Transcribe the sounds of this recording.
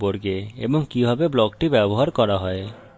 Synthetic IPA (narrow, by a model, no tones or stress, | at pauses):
boɾɡeeboŋkibʱɔbeblɔɡʈibɛbɔɦaɾkɔɾaɦɔe